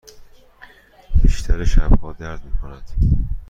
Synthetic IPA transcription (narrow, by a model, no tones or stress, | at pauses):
b̥iːʃt̪ʰæɾeʃæbhɒːd̪æɾd̪̚miːkʰonæd̪̥